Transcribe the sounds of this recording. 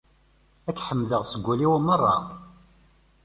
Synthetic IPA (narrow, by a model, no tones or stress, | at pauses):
ækħəmːləʁsəɡʷːæliwmərˤːɑ̰